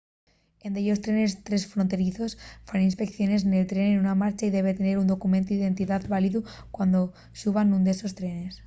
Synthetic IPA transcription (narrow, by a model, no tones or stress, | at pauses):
end̪eʎo̞st̪ɾe̞ne̞st̪ɾe̞sfɾont̪e̞ɾiθo̞sfɾaninspe̞kθjo̞ne̞s̬ne̞lt̪ɾe̞nenunamaɾt͡ʃaiðe̞β̞e̞t̪e̞ne̞ɾund̪o̞kumẽnt̪uiðe̞nt̪iðaðβaliðukwand̪o̞ | suβanːũnd̪e̞so̞st̪ɾe̞ne̞s